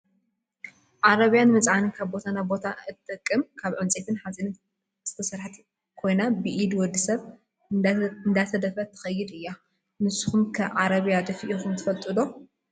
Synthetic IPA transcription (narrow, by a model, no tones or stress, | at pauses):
ʕaɾɐβijanmɐt͡sʼʕanikʰaβbo̞t̪ʰanabo̞t̪ʰaɨt̪t̪ʼːɨkʼːɨmkʰaβʕɨnt͡sʼet̪ʰɨnħazinɨ | z̥ɨt̪ʰɐsɐɾħɨt̪ʰ | kʰo̞jnabɨʔid̪wɔd̪ːisɐβ | ɨnd̪at̪ʰɐd̪ɐfɐt̪ʰɐ̥xɐjːɪd̪ɨjːa | mɨsxumkʰɐʕaɾɐβjad̪ɐfiʔoxumt̪ʰɨfɐlt̪ʼɨd̪o